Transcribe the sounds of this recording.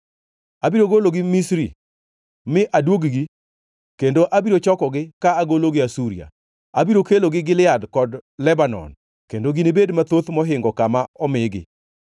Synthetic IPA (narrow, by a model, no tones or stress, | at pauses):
abiɾoɡoloɡɪmisɾḭ | mɪʔadwoɡɡi | kendoʔabiɾot͡ʃɔkɔɡɪkaːɡoloɡɪasuɾḭa̰ | abiɾokeloɡɪɡɪlɪadkɔdlɛbanɔ̰n | kendoɡinibedmat̪ot̪mɔɦɪŋɡɔkamaɔmɪɡɪ̰